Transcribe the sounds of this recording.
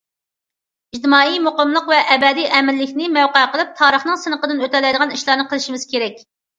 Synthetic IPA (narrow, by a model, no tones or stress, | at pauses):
id͡ʒd̪ɨmɑːijmoqəmlˠəqvɛʔːbɛd̪ijʔɛmɪlːɪkʲnɪmɛwqɑqəlˠɨp̚t̪ʰɑːɾəχnɨŋsɨnəqəd̪ɨnøt̪ɛlːɛjd̪əʁɑniʃlˠɑːɾnɨqʰəlˠɨʃimɪz̥kʲeɾɛkʲ